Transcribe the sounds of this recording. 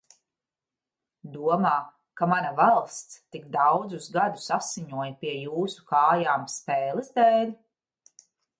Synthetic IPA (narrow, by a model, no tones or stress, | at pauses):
d̪uɔmaː | kamanavalˠst̪st̪ikd̪awd̪zuzɡad̪usasiɲuɔjpiɛjuːsu̥kaːjaːmspɛːlˠɨzd̪ɛːlʲ